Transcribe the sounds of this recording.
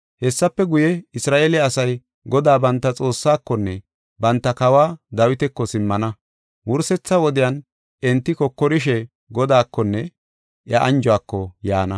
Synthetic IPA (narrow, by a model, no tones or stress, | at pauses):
hɛsːɐpːɛɡʊjɛɪsɾaːʔelɛɐsɐj | ɡɔd̪aːbɐnt̪ːɐt͡sʼo̞ːsːaːkːɔnːɛ | bɐnt̪ːɐkɐwaːd̪ɐwɪt̪ɛkːɔsɪmːɐnɐ | wʊɾsɛt͡sːɐwɔd̪ɪjɐn | ɛnt̪ːɪkɔkːɔɾɪʃɛ | ɡɔd̪aːkːɔnːɛ | ʔjɐʔɐnd͡ʒʊaːkːɔja̰ːnɐ